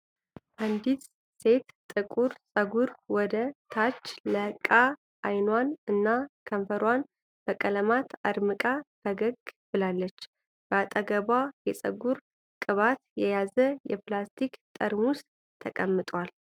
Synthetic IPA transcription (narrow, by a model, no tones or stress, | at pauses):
ʔand̪it̪ | se̞t̪t̪ʼːɨkʼuɾsʼəɡuɾwɔd̪ət̪ʰat͡ʃːləkʼa | ʔajnwanɨnːakʰəɱfəɾwan | b̥əkʼələmat̪a̰d̪mɨkʼabəɡəɡbɨlalːət͡ʃː | b̥əat̪ʼəɡəβajɛsʼə̰ɡuɾ | kʼɨβat̪jɛjazəjɛplast̪ʰikt̪ʼəɾmʊst̪ʰəkʼəmːɨt̪ʼwal